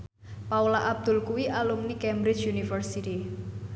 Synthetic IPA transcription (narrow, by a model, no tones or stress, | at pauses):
paulaʔab̚d̪̥ʊ̤lkuwiʔalumnikɛmbɾɪ̥t͡ʃjunifərsiti